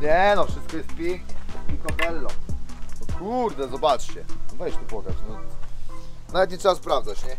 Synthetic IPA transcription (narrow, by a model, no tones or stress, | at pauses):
ɲɛnɔfʂɘst̪̚kɔjɛst̪̚pʲjɛŋkɲʲɛɔikɔpɛlːɔɔkʰuɾd̪ɛzɔbat͡ʂt͡ɕɛvɛɕt̪ɛpɔɡ̪ɾa̰t͡ɕnɔ | navɛt̪ɲʲit̪ʂɛbaspɾavd̪zat͡ɕɲɛ